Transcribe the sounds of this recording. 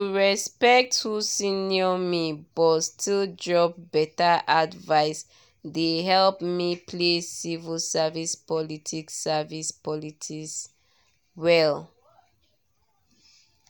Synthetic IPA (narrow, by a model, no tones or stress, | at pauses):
tuɹɛspɛk̚thusĩnjɔmibɔtstʰildɹɔp̚bɛtaʔadvaɪs | deɦɛlpmipʰlesivilsavispɔlitʰiksavispɔlitʰis | wɛl